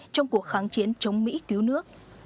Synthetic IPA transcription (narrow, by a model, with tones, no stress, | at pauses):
t͡ɕɔ˧wŋ͡mku˨˩ək̚xaː˧˩nt͡ɕi˨˦nt͡ɕə˨˦wŋ͡mmḭ˧˥ki˨˧˦əwnɨ˦˥ək̚